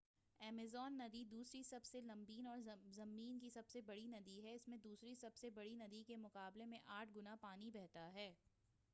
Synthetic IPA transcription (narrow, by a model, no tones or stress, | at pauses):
ɛːmɪzɔːnːɐd̪id̪uːsɾisɐbselɐ̃mbiːnɔːɾzɐmːiːnkisɐbsebɐɽinɐd̪iɦɛɪsmẽd̪uːsɾisɐbsebɐɽinɐd̪ikemʊqaːblemẽʔaːʈʰɡʊnapaːnibɛɦt̪aɦɛː